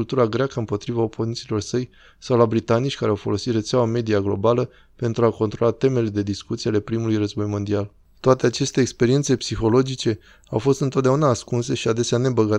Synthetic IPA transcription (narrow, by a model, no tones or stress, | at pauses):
lt̪uɾaɡɾeakəɨmpo̞t̪ɾivaopo̞nint̪silo̞rsəj | sawlabɾit̪anit͡ʃʲkaɾeawfo̞lo̞sit̪re̞t̪seawame̞d̪iaɡlo̞̰balə | pe̞nt̪ɾuako̞nt̪ɾo̞lat̪e̞me̞le̞d̪e̞d̪iskut̪siale̞pɾimulujrəzbo̞jmo̞nd̪ial | t̪oat̪e̞at͡ʃe̞st̪e̞ːkspe̞ɾiet̪se̞psixo̞lo̞d͡ʒit͡ʃe̞ | awfo̞st̪ɨnt̪ot̪d̪eaunaːskunse̞ʃiad̪e̞seane̞bəɡa